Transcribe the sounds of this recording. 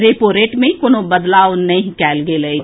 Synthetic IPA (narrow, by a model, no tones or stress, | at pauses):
ɾeːpoːɾeːʈmẽikonobəd̪laːonɐĩkɛːlɡelɐi